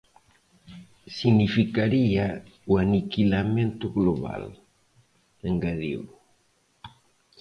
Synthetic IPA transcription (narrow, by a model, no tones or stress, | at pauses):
sinifikaɾiauanikilamẽnt̪uɣloβa̰l | eŋɡaðḭw